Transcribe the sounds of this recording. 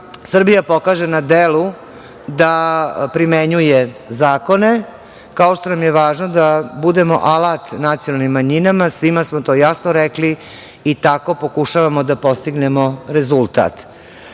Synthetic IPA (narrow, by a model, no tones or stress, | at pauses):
sr̩bijapo̞kaːʒenad̪elu | d̪apɾimeɲujezaːko̞ne̞ | kaoʃt̪o̞namjeʋaːʒnod̪abud̪emo̞ʔalat̪nat̪sijonalnimːaɲinamasʋimasmot̪o̞ːjasnoɾɛkliː | t̪ako̞po̞kuʃaʋamod̪apo̞st̪iɡnemo̞ɾezulˠt̪a̰t̪